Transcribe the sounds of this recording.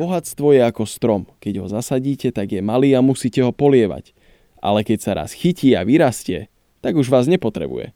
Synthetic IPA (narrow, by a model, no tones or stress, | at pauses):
b̥ɔɦat̪st̪ʋɔjɛakɔst̪ɾɔmkɛɟɦɔzasaɟiːcɛt̪aɡjɛmaliːamusiːcɛɦɔpɔlɪɛʋa̰c | ʔa̰lɛkɛcsaɾa̰sxiciːaʋiɾascɪɛ | t̪aɡuʒʋaːzɲɛpɔt̪ɾɛ̰bṵjɛ̰